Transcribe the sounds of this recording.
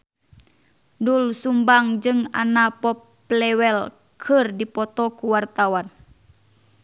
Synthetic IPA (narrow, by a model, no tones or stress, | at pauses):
dulsumbaŋd͡ʒɨŋa̰napɔpː | lɛwɛl | kʰɨrdipɔt̪ɔkuwart̪awan